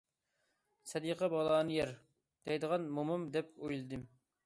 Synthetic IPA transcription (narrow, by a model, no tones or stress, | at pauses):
sɛd̪iqʰɛbɑlˠɑːnɨjɛɾ | d̪̥ɛjd̪əʁɑnmomumd̪ɛpojlˠɨd̪ɨm